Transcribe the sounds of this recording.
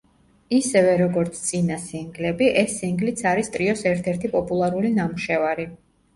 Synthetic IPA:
isɛvɛɾɔɡɔɾt̪sʰt̪sʼinasiŋɡlɛbiʔɛsːiŋɡlit̪sʰaɾist̪ʼɾiɔsɛɾt̪ʰɛɾt̪ʰipʼɔpʼulˠaɾulinamuʃɛvaɾi

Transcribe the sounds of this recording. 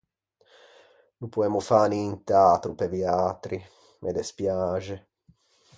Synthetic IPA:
nupuɛmufaːniːnt̪eaːt̪ɾupeviaːt̪ɾi | mʔed̪espjaːʒe

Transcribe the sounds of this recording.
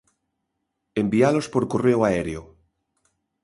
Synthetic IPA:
embialospoɾkoreoaeɾeo

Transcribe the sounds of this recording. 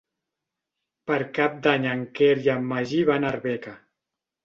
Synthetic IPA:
pəɾkap̚d̪aɲaŋkeɾjamːaʒiβanaɾβɛka

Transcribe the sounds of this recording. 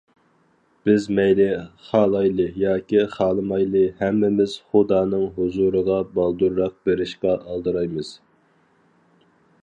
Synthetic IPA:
b̥ɪzmɛjlɪχɑːlˠɑjlˠɨjɑːkʲiχɑːlˠəmɑjlˠɨhɛmːɪmɪz̥χʊd̪ɑːnɨŋɦuzuɾəʁɑbɑlˠd̪uɾːɑq̚beɾɪʃqɑʔɑlˠd̪ɨɾɑjmɨz̥

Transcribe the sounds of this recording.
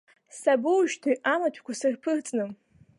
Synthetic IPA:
sabɨwʒtʰiʔamatʷʰkʷʰasɨrpʰɨrt͡sʼnɨm

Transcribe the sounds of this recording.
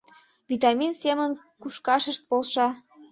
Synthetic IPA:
vit̪ɑminsemən | kuʃkɑʃəʃt̪̚polʃɑ

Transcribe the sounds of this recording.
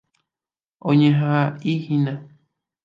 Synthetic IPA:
õɲẽɦãihĩnã

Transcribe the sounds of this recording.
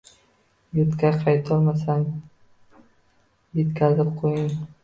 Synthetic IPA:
jʊt̪kʲʰaqʰɑjt̪ʰɒlˠmas̬aŋ | je̞t̪kʲʰazɪp̚qʰojɪŋ

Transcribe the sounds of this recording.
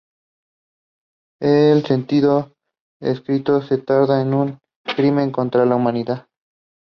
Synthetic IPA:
else̞nt̪iðo | ḛskɾit̪o̞se̞t̪aɾðaenuŋ | kɾimẽ̞ŋko̞nt̪ɾalaumãniðað

